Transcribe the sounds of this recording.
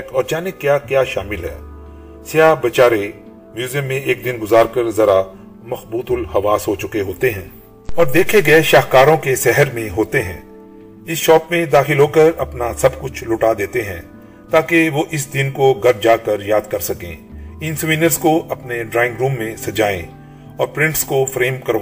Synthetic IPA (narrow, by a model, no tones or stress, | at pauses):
kɔːɾt͡ʃaːnekjaːkjaːʃaːmɪlɦɛ̰ː | sɪjaːbɐt͡ʃaːɾe | mjuːzijəmːẽeːk̚d̪ɪnɡʊzaːɾkəɾzɐɾa | mɐxbuːt̪ʊlhɐʋaːsɦot͡ʃʊkeɦoːt̪eɦɛ̰̃ː | ɔːɾd̪eːkʰeɡɐeʃaːkaːɾõkesɛɦəɾmẽɦoːt̪eɦɛ̰̃ː | ɪsʃɔːpmẽd̪aːxɪlɦoːkəɾɐpnasɐbkʊt͡ʃʰlʊʈad̪eːt̪eɦɛ̰̃ː | t̪aːkeʋoʔɪsd̪ɪnkoɡɐɾd͡ʒaːkəɾjaːd̪kɐɾsɐkḛ̃ːɪnsʋɪ̃nəɾzkoʔɐpneɖɾaːɪ̃ŋɡɾũːmːẽsɐd͡ʒaːḛ̃ | ɔːɾpɾɪ̃ɳʈskofɾeːmkɐɾ